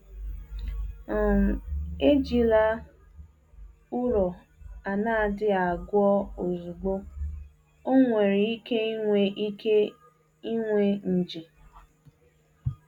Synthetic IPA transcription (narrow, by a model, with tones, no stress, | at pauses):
e˦d͡ʒi˨la˦ | ʊ˦ɾɔ˨ | a˨na˦a˦˨dɪ˦a˨ɡʊ˦ɔ˦o˨zu˨ɡ͡bo˦ | o˦ŋʷe˨ɾi˨i˦ke˦ŋʷe˨˦ke˦ | i˦ŋʷe˨n̩˨d͡ʒi˨